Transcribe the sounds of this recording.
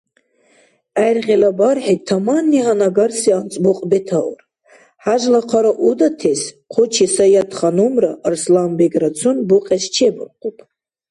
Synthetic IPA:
ajrʁelabarħet̪ʰamanːiɦanaɡarsiant͡sʼbuqʼbɛtʰaw̰r | ħaʒlaqʰaɾaʔud̪atʰesqʷʰot͡ʃʰisajat̪ʰχanumra̰ʔrslambeɡɾat͡sʰunbuqʼɛst͡ʃʰebɨrqʼupʰʼ

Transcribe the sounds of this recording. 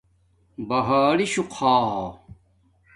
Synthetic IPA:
bɐɦaːliɕuqʰaː

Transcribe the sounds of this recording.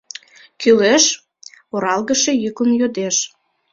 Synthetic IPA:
kyleʃ | oɾɑlɣəʃejyklənjød̪eʃ

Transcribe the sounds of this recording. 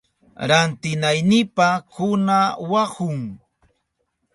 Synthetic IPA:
ɾant̪ɪnajnɪpakʊnawahʊŋ

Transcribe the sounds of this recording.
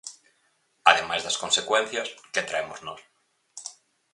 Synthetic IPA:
aðemajzðɐskonsekwẽn̟θjɐsket̪ɾaemoznos

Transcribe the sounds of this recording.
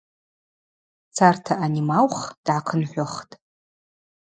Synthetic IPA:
t͡sʰartʰaʔanimalχd̥ʕaqʰənħʷᶣʊχtʼ

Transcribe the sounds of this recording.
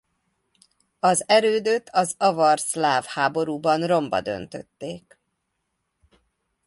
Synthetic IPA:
ɒzɛɾøːd̪øt̪ʰɒzɒvɒrslaːvhaːbo̞ɾuːbɒnro̞mbɒ̰d̪ø̞̰nt̪ø̰t̪ːeːk

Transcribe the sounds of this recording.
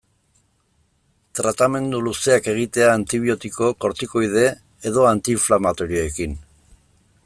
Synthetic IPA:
t̪ɾat̪ame̞nd̪uluse̞ake̞ɣ̞it̪e̞aːnt̪iβ̞io̞t̪iko̞ko̞ɾt̪iko̞jð̞e̞ | eðo̞ant̪iɱflamat̪o̞ɾioekin

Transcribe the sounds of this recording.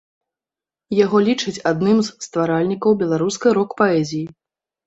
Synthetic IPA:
jaɣɔlʲit͡ʂɨt͡sʲad̪nɨmzst̪vaɾalʲnʲikɐwbʲɛlˠaɾuskɐjɾɔkpaɛzʲiji

